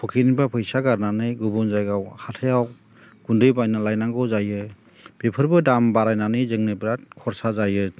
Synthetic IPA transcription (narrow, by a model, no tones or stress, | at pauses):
pʰɔkʰinibapʰɯjsaɡaɾnanɯjɡubɯnzajɡawhatʰejaw | ɡ̥undɯjbajnalajnaŋɡɔzajɯ | b̥epʰɯɾbɯdambaɾajnanɯjzɯŋnɯjbɾat̚kʰɔɾsazajɯ